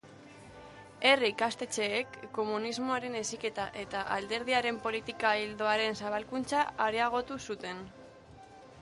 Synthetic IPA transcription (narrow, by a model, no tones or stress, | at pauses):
e̞riikast̪e̞t͡ʃe̞ːkːo̞munizmo̞aɾe̞ne̞sike̞t̪aʔe̞t̪aʔald̪e̞ɾð̞iaɾe̞mpo̞lit̪ikaild̪o̞aɾe̞nsaβ̞alkunt͡saːɾiaɣ̞o̞t̪usut̪e̞n